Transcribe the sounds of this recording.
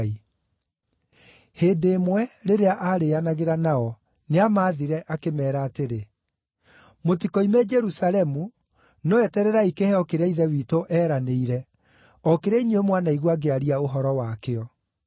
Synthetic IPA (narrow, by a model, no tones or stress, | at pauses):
i | heːndeːmwɛɾeɾeaʔaɾeanaɣeɾanaɔ | neamaðiɾɛʔakemɛːɾaːteɾe | motikɔimɛd͡ʒɛɾusalɛmu | nɔɛtɛɾɛɾaikehɛɔkeɾeaiðɛwiːtoʔɛːɾaneiɾɛ | ɔkeɾɛiɲeemwanaiɣwaɡeaɾiaoɦɔɾɔwakeɔ